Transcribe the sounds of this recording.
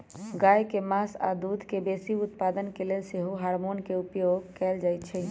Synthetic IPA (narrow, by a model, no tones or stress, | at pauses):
ɡajkemasa̰d̪ud̪ʱkebesiut̪pad̪ənkelelseɦoɦaɾmonkeupjoɡkɛld͡ʒajt̪t͡ʃʰɛ